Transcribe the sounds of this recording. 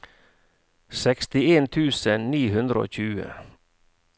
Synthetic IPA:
sɛkst̪ɪeːnt̪ʰʉːsənniːhʉnd̪ɾəo̰ːc͡çʉːə̰

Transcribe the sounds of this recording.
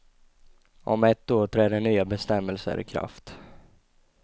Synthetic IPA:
ʔɔmɛt̪ːoːʈʰɾɛːɖɛnyːabɛst̪ɛmːɛlsə̰ɾɪ̰kʰɾa̰ft̪

